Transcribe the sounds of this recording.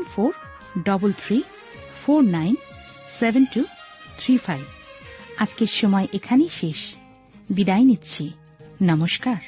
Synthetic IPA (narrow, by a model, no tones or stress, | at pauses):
nfoɾ | ɖɔbolt̪ʰɾi | foɾnajn | sebentut̪ʰɾifajbad͡ʑkeɾʃɔmɔeʔekʰanejʃeʃ | bid̪ajnitːt͡ɕʰi | nʌmoʃkaɾ